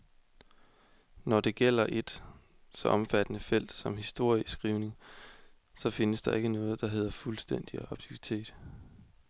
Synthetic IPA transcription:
nɒd̥e̝ɡ̥el̰ɐʔe̝d̥ | sɒ̽ʔɒ̽mfæd̥ənəfel̰d̥sɒ̽mhisd̥o̝ɐ̰isɡ̥ʁiʊne̝ŋ | sɒ̽fe̝nəsd̥ɑ̈e̝ɡ̥ənɔ̽ːð̞̩ˠd̥ɑ̈ɦe̝ð̞̰ˠɐfulsd̥en̰d̥iɑ̈b̥̚t͡sʰiʋit͡sʰe̝̰ːd̥

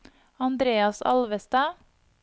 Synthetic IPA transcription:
ɑnd̪ɾeːɑsɑ̰lʋəst̪ɑː

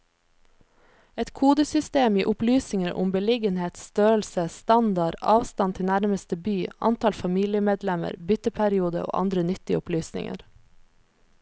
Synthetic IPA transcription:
ɛt̪kʰuːd̪əsʏst̪eːmiːʔʊplyːsnɪŋəɾʔʊ̰mbəlɪɡənheːt̪st̪øːəlsəst̪ɑnd̪ɑɾɑ̰ːʋst̪ɑnt̪ʰɪnæɾməst̪əbyːɑ̰nt̪ɑlfɑmiːlɪəmeːd̪lɛmə̰ɾbʏt̪əpʰæɾɪuːd̪ə̰o̰ːʔɑ̰nd̪ɾənʏt̪ɪʊplyːsnɪ̰ŋə̰ɾ

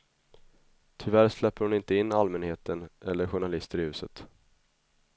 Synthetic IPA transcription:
t̪ʰʏvæɾslɛpːəɾhʊnɪnt̪əɪnːalmɛnheːt̪ənʔɛlːəɾɧʊɳalɪst̪əɾɪhʉ̟ːsət̪

